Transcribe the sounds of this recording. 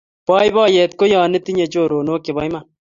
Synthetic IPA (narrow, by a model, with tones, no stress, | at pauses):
pɔː˦jbɔː˦jɛ˨t̪ko˦jaː˨nɪ˦t̪i˦ɲe˨t͡ʃoː˦˨ɾoː˨no˦ke˨bɔ˦jma˦